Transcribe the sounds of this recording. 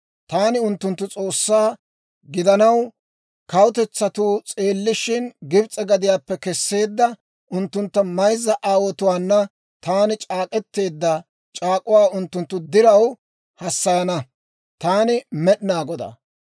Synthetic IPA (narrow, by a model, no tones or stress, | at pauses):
t̪aːnɪʊnt̪ːʊnt̪ːʊt͡sʼo̞ːsːaː | ɡɪd̪ɐnɐw | kɐwt̪ɛt͡sːɐt̪uːt͡sʼe̞ːlːɪʃɪnɡɪbt͡sʼɛɡɐd̪ɪjaːpːɛkɛsːe̞ːd̪ːɐ | ʔʊnt̪ːʊnt̪ːɐmɐjzːɐʔaːwɔt̪ʊwaːnːɐ | t̪aːnɪt͡ʃʼaːkʼɛt̪ːe̞ːd̪ːɐ | t͡ʃʼaːkʼʊwaːʊnt̪ːʊnt̪ːʊd̪ɪɾɐw | hɐsːɐjɐnɐ | t̪aːnɪmɛɗnaːɡɔd̪ɐ̰